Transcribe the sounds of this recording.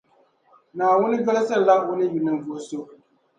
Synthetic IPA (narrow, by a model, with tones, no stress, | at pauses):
naː˨wʊ˦nɨ˦bɛ˦la˦sa˦˨la˦ʔwʊ˦nɨ˦ju˨nɨ˨mvo˨so˦